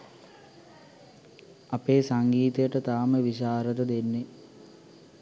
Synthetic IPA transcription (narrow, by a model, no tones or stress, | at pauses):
apeːsaŋɡiːt̪əjəʈət̪aːməʋiɕaːɾət̪əd̪enːe